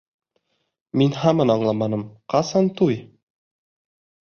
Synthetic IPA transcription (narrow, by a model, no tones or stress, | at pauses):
minɦɑmɤnɑɴlˠɑmɑnɤmqɑsɑnt̪uj